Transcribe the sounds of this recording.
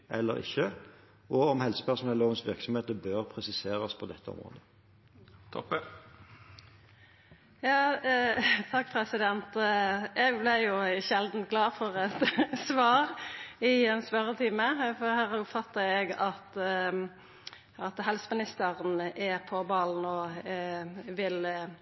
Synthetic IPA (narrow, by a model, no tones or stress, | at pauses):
ʔɛ̰lːə̰ɾɪ̰çːə | ʔɔɔmhɛlsə̥pæʁʂn̩ɛloːʋənsʋɪ̰ʁksɔmheːt̪əbøːʁpʰʁɛsɪseːɾɑspʰɔd̪ɛt̪ʰːəɔ̰mʁo̰ːd̪ə | t̪ʰɔp | jɑː | t̪ʰɑkːpʰɾɛsɪd̪ɛnt̪ɛɡblɪjʊçɛld̪n̩t̪̚ɡlɑːfɔʁɛt̪sʋɑːʁɪɛnspœɾət̪ʰɪːməfɔhæːʁʊpfɑt̪ːəɛɡɑt̪ | ɑt̪ɦɛlsəmɪnɪst̪əʁənɛpʰɔbɑːlnɔ | ʋɪl